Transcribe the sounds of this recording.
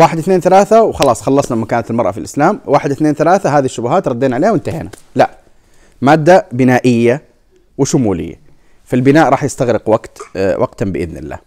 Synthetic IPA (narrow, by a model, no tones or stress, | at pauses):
waːħɪd̪ɪθneːnθalaːθawxɑlɑːsˤxɑlːɑsˤnamakaːnat̪ɪlmɑɾˤʔɑ̰filʔɪslaːmwaːħɪd̪ɪθneːnθalaːθaɦaːðiʃːʊbʊɦaːt̪ɾˤɑd̪ːiːnʕaleːhawɪnt̪aheːna | laʔ | maːd̪ːabɪnaːʔɪjːa | wɪʃʊmuːlɪ̰jːa̰ | filbɪnaːʔɾˤɑːħjɪst̪aɣɾɪqwaɡt̪wa̰ɡt̪ambɪʔɪ̰ðnɪ̰lːa̰ːh